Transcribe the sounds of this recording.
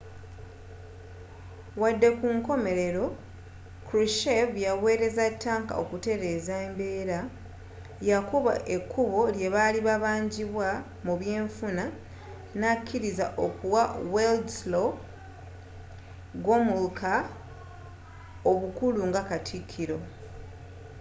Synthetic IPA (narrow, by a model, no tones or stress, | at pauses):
wadːe̞kuŋko̞me̞ɾe̞ɾo̞ | kɾiʃevjawe̞ːɾe̞zatːaːŋka̰o̞̰kute̞ɾe̞ːzaembe̞ːɾa | jakoβa̰ʔe̞kʰːuβo̞lje̞βaliβaβaːɲɟiβwa | muβje̞ːɱfuna | nakʰːiɾizaʔo̞kuwaweldslo | ɡomulkʰa | o̞βukuluŋɡakatʰikʰːiɾo̞